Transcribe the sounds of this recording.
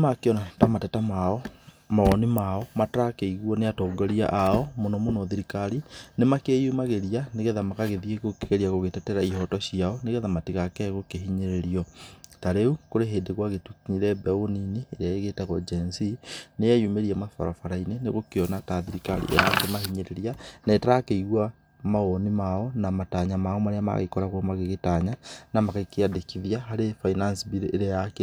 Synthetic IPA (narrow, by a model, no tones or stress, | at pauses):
makeɔnatamatɛtamaɔ | maɔnimaɔmatakeiɣwɔneatɔːŋɡoɾia̰ʔaɔmonɔmonɔðiɾikaɾinemakejumaɣeɾianeɣɛðamakaɣeðieɣokeɣeɾiaɣoɣetɛtɛɾaiɦɔtɔɕiaɔneɣɛðamatiɣakɛɣokeɦiɲeɾeɾiɔtaɾeukoɾeɦeːndeɣwaɣetukiɲiɾɛbɛoninieɾeaeɣetaɣod͡ʒensinejejumeɾiamafa̰ɾafaɾaineneɣokionataðiɾikalḭʔḛɾakemahiɲeɾeɾjanaetaɾakeiɣwa | maɣonimaonamataːɲamaomaɾeama̰ɣḛkoɾaɣoomaɣeɣetaɲanamakakejadekiðjaɦaɾefainansbiɾejak